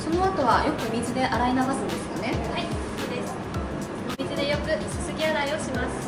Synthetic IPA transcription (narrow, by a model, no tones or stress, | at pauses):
so̞no̞at̪o̞βajo̞kɯ̟mʲizɨd̪e̞ʔaɾainaβasɨ̃d̪e̞sɨ̥jane̞a | od̪esɨ̥ | omʲizid̪e̞jo̞kɯ̟sɨ̥sɨɡʲiaɾaio̞ɕimasɨ̥